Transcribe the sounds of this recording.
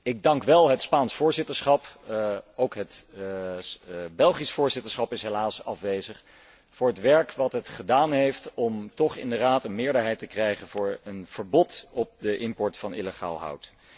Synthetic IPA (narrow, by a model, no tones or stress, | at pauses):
ɪɡ̚dɑŋkʋɛlˠɦətspaːnsfʊːɹzɪtəɹsχɑp | owkɦət | bɛlˠχisfʊːɹzɪtəɹsχɑpɪsɦelaːsɑfʋejzəχ | fʊːɹɦətʋɛɹkʋɑtɦətχədaːnɦejftɔmtɔχɪ̰ndəraːtənmɪːɹdəɹɦɛjtəkrɛjχənvʊːɹənv̥əɹbɔtɔp̚dəʔɪmpɔɹtfɑnɪləχa̰ːlˠɦʌ̰wt